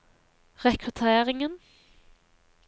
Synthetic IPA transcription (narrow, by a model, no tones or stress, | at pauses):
ʁɛkʰʁʉt̪ʰeːʁɪŋən